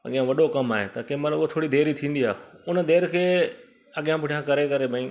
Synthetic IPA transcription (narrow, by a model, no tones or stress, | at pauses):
ɐ̰ɠijãʋɐɗokɐmaːɦet̪akẽmɐt̪ləbɦot̪ʰoːɽid̪ʱeːɾit̪ʰĩːn̆d̪iaːʊnə̆d̪eːɾkʰeː | ɐɠijãbʱʊʈʰijãkɐɾekɐɾebʱɐĩː